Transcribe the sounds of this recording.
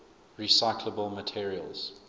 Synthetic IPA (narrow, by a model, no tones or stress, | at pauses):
ɹisaɪkʰləbəlˠmətʰiɹiə̰lˠz̥